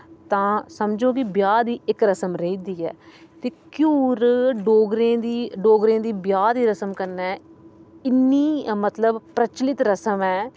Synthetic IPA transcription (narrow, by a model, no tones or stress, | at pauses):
t̪ãːsəmd͡ʒõːkɪbjaːd̪iːɪkɾəsəmɾeid̪iːɛ̰ːt̪eːkjuːɾɖoːɡɾẽːd̪iːɖoːɡɾẽːd̪iːbjaːd̪iːɾəsəmkəɾnɛːɪnːiːmət̪ləbpɾət͡ʃlɪt̪ɾəsəmɛː